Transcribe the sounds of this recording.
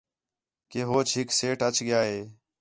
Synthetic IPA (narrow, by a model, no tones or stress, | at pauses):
keːɦoːt͡ʃʰɦɪkseːʈət͡ʃɠɪjaːɦeː